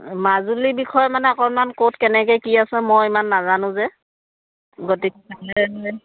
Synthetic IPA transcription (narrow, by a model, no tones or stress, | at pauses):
mazulibixʰɔjɔmanɛɔkɔnmankotkɛnɛkɛjkiasɛ̃mɔjimanːazanʊ̃zɛ | ɡotikalɛɛ